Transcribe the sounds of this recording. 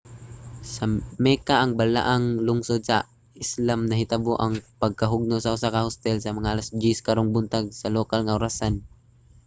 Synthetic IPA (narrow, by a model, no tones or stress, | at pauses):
sɐmɛkaʔːŋbɐla̰ʔaŋlʊŋsod̪̚sɐ | ɪslamnɐɦɪt̪aboʔɐŋpɐɡ̚kɐɦʊɡ̚nosaʊsakahost̪ɛlsɐmɐŋaʔalasd͡ʒɪskaɾoŋbʊnt̪aɡ̚sɐlokalŋaʔʊɾasan